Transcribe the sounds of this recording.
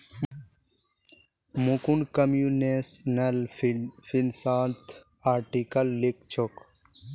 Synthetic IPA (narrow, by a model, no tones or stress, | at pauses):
mukunkɐmjunesnɐlfinsaːlt̪ʰ | aːɾʈikɐlːikt͡ʃʰok